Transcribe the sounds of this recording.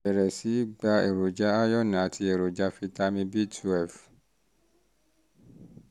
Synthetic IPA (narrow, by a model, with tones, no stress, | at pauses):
ɛ˨ɾɛ˨si˨˦ɡ͡ba˧e˨ɾo˨d͡ʒa˦a˦jɔ˦nĩ˨a˨tʰi˧e˨ɾo˨d͡ʒa˧˦fi˧ta˧mĩ˧bi˦tʰu˦ɛ˦˨f